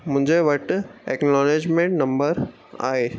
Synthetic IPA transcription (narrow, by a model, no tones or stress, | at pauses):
mʊ̃ɦɲd͡ʑeʋɐʈeːknnɔːneːd͡ʑmẽːɳʈnɐ̃mbəɾ | a̰ːeː